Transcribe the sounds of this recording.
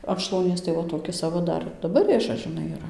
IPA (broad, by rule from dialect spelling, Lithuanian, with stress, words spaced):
ɐn ʃlˠɐʊˈnʲiɛs tɐɪ ˈʋɐ toːˈkʲɪs ɐˈʋɐ dɐˈbɐr ˈrʲeːʒɐs ʒʲɪˈnɐɪ iːˈrɐ